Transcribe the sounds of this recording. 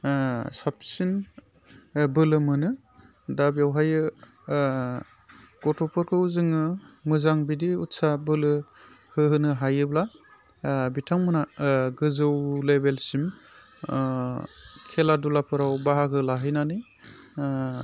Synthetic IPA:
sap̚sin | bɯlɯmɯnɯ | dabjawɦajɯ | kɔtʰɔpʰɔɾkʰɯzɯŋɯmɯzaŋbidiutsabɯlɯ | hɯɦɯnɯɦajɯbla | bitʰaŋmɯnaɡɯzɯwlebelsim | kʰeladulapʰɯɾawbaɦakʰɯlaɦɯjnanɯj

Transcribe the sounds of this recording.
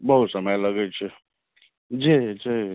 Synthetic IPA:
bəɦut̪səməjləɡət͡ʃʰi | d͡ʒid͡ʒi

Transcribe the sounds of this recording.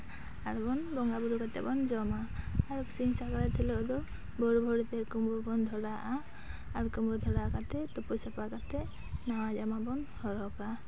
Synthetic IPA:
aɹbɔnbɔŋɡabuɾukat̪ɛ̰bɔnzɔmaːɹsinsakaɹɛt̪ʰilɔɔd̪ɔ | bɔɹubʱɔɹit̪ɛkumbɔbɔnd̪ʱɔɹaʔaː | ɹkumbɔd̪ʱɔɾakat̪ɛt̪upusapakat̪ɛ | nawazamabɔnhɔɹɔka

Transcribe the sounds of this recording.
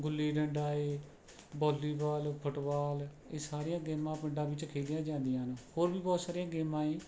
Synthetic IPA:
ɡʊlːiːɖəɳɖaːeː | bɔːliːbaːlpʰəʈbaːl | eːsaːɾijãːɡeːmãːpɪɳɖãːbɪt͡ʃkʰeːlijãːd͡ʒãːnd̪ijãːnːhoːɾbiːbɔːt̪saːɾiãːɡeːmãːĩː

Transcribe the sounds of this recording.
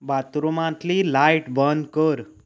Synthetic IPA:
bat̪ɾumãt̪lilajʈbənd̪kəɾ

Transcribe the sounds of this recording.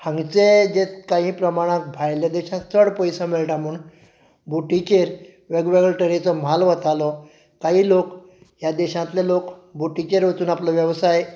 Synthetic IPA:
hãŋɡt͡sed͡ʑet̪kãɦĩpɾəmaɽ̃ãk̚bʱajljad̪ɛɕãsʰəɽpɔjsãmelʈamuːn | buʈikeɾ | ʋeɡʋeɡɭʈəɾet͡sɔm̤alʋət̪alɔ | kaɦiːlok | ɦjad̪ɛɕãt̪lelokbuʈit͡ɕeɾʋət̪uːnaplɔʋjəʋsaj

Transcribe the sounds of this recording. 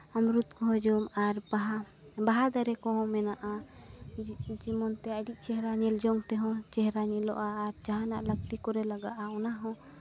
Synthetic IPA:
amɾut̪kɔɦɔ̃d͡ʒɔmaɾbaɦa | baɦad̪aɾɛkɔɦɔ̃mɛnaʔa | d͡ʒimɔnt̪ɛaɖiʔ̚ˀt͡ʃɛɦɾaɲɛld͡ʒɔŋt̪ɛɦɔ̃t͡ʃɛɦɾaɲɛlɔ̰ʔaːɾd͡ʒaɦanaʔləɡ̚t̪ikɔɾɛlaɡaʔaɔnaɦɔ̃

